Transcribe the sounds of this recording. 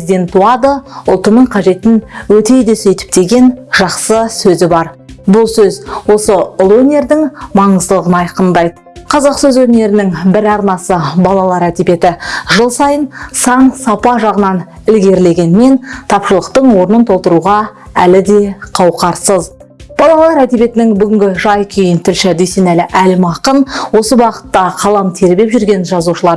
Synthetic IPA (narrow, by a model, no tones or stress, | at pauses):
id̪ʲe̞nt̪uɑd̪əʊlˠt̪ənəɴqʰɑʒe̞t̪ɪnwɵt̪e̞jd̪e̞sɵjt̪ɪ̥p̚t̪e̞ɡʲe̞nʒ̥ɑqsəsɵzɪbɑɾbʊlˠsɵzwo̞səʊlˠwɵne̞ɾd̪ɪŋmɑɴəzd̪əlˠəʁənɑjqənd̪ɑjd̪əqʰɑzɑqsɵzwɵne̞ɾɪnɪŋbɪɾɑɾnɑsəbɑlˠɑlˠɑɾæd̪ebe̞t̪ɪʒəlˠsɑjənsɑɴsɑpɑʒɑʁənɑn | ɪlɡʲe̞ɾle̞ɡʲe̞nme̞nt̪ʰɑpʃəlˠəq̚t̪əɴwo̞ɾənənt̪ʰo̞lˠt̪əɾuʁɑ | ælɪd̪e̞qʰɑwqɑɾsəz | b̥ɑlˠɑlˠɑɾæt̪ebʲe̞t̪ɪnɪŋbʏɡʲɪŋɡʲɪʒɑjkʲʰejɪnt̪ʰɪlʃɪd̪ejse̞nælɪʔælɪmɑqənwo̞səbɑqə̥t̪ːɑqʰɑlˠɑmt̪ʰe̞ɾbepʒʏɾɡʲe̞nʒɑzuʃəlˠɑɾ